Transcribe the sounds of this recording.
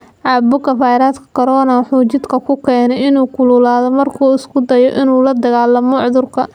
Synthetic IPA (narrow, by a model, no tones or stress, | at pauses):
ʕɑːbʊkɐfaːjɾaːd̪kʰɐ̥kʰɐɾɔːnɐwħuːt͡ʃɪd̪kʰɐkʰʊkʰɛːnɛɪnuːkʰʊlʊːlaːðɔmɐrkʰuːɪskʰʊd̪ɐjɔʔɪnuːlɐd̪ɐɣaːlɐmʊʕðʊrkʰɐ